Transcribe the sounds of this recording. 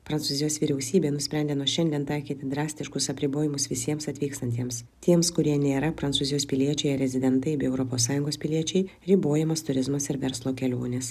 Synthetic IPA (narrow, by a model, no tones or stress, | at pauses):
pɾɐnt̪uːzʲɪjoːsʋʲiːɾʲɛʊsʲiːbʲeːnʊsʲpʲɾʲænʲd̪ʲeːnuɔʃʲɛnʲd̪ʲiɛnt̪ɐɪkʲiːt̪ʲɪd̪ɾɑːsʲt̪ʲɪʃkʊsɐpʲɾʲɪboːjɪmʊsʋʲɪsʲiɛmsɐt̪ʲʋʲiːkst̪ɐnʲt̪ʲiɛms | t̪ʲiɛmskʊɾʲiɛnʲeːɾɐpɾɐnt̪suːzʲɪjoːspʲɪlʲiɛt͡ʃʲɛɪɾʲɛzʲɪd̪ʲɛnt̪ɐɪbʲɪɛʊɾɔpoːsːɑːjʊŋɡoːspʲɪlʲiɛt͡ʃʲɛɪ | ɾʲɪboːjɛmɐst̪ʊɾʲɪzmɐsɪɾʋʲɛɾslˠoːkʲɛlʲoːnʲes